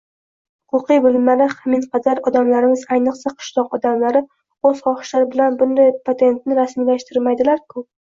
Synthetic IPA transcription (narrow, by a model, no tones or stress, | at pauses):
hʊqʊqɨjbʊlɪmːaɾaχamɪnqʰɑd̪aɾɒd̪amlaɾɪmɪzajnɨqsaqʰɨ̥ʃlˠɒqɒd̪amlaɾɪ | oz̥χɒχɪ̥ʃlaɾɪbɪlanbʊnd̪ajpʰat̪ʰe̞nt̪nɪɾasmilaʃt̪ɪɾmajd̪ɪlaɾkʰʊ